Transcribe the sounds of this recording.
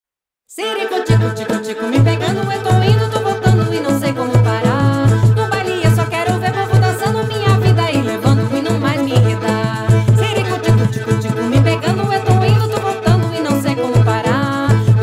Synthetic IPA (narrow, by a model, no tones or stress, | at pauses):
seɾikõt͡ʃikõt͡ʃikõt͡ʃiɡʊ̃mɪpeɡɐ̃nd̪ʊet̪owĩd̪ʊd̪ʊvowt̪ɐ̃nd̪ʊɪnɐ̃w̃sejkõmʊpaɾanʊ̃baliɐsɔkɛɾoveɾmõvod̪asɐ̃w̃nɐmĩɲɐvid̪ɐilevɐ̃nd̪ʊɪnɐ̃w̃majzmiɦed̪a | siɾikõt͡ʃikõt͡ʃikõt͡ʃiɡʊ̃mɪpeɡɐ̃nd̪ʊet̪owĩnd̪ʊd̪ʊvowt̪ɐ̃nd̪ʊɪnɐ̃w̃sejkõmʊpaɾa